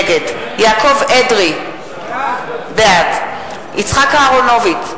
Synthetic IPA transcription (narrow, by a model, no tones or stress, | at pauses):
ɡedjaːkovedʁi | bɛat | it͡sχakaːʁonovit